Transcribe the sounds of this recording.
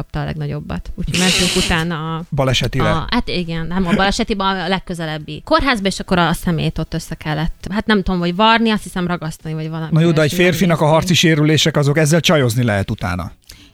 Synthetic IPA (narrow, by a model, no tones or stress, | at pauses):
ɒp̚t̪ɒːlɛ̰ɡnɒɟo̞̰bːɒ̰t̪uːcʰomɛnt̪yŋkut̪aːnːɒbɒlɛʃɛt̪iɛhat̪iɡɛnnɛmɒbɒlɛʃɛt̪ibɛlɛkːøzɛlɛbːiko̞rɦaːzbɒeːʃɒkːo̞ɾɒsɛmḛːjt̪o̞t̪ːø̞sːɛkɛlːɛt̪ːɦat̪nɛmt̪uomɦo̞ɟvɒrniɒst̪hisɛmrɒɡɒst̪ɒnivɒɟvɒlɒminojoːd̪ɛɛcfeːrfinɒkɒɦɒrt̪siʃeːɾyleːʃɛkɒzo̞kɛzːɛlt͡ʃɒjo̞znilɛɦɛt̪ut̪a̰ːnɒ̰